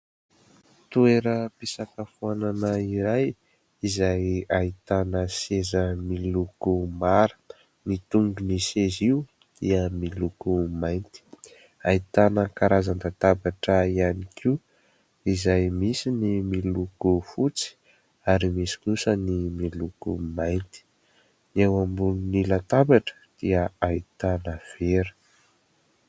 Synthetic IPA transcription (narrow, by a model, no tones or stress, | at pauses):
t̪ueɾəpisakəfuananəiɾaj | izajait̪anəsezəmilukumaɾə̥ | nit̪uŋɡuniseziu | d̪̥iəmilukumajnt̪i̥ | ait̪anəkaɾazand̪at̪abaʈ͡ʂəianikʰiu | izajmisinimilukufut͡si̥ | aɾimisi̥kusənimilukṵmajnt̪i̥ | newambununilat̪abaʈ͡ʂə̥d̪̥iəait̪anəv̥eɾə̥